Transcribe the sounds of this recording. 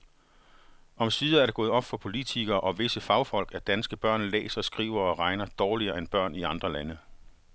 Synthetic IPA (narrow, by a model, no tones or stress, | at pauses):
ɒ̽msiːðˠɐæɐɾe̝ɡɔ̽ːðˠɒ̽b̥fɒ̽pʰo̝lit͡sʰiɡ̥ɐːʔɒ̽ʋe̝səfɑ̈ʊfɒ̽l̰ɡ̥æɐd̥ænsɡ̥əb̥ɶɐ̰nlḛːsɐɒsɡ̥ʁḭːʊɐɒ̽ʁɑ̈ɪnɐd̥ɒːliɐːenb̥ɶɐ̰niɑ̈nd̥ʁɐlænə